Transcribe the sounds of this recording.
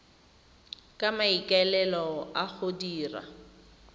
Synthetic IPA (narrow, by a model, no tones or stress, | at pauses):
kʼamaikʼalɛlɔaχʊdiːra̰